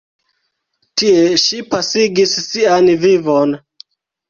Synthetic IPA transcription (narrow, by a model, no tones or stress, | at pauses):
tie̞ʃipasiɡisːianvivon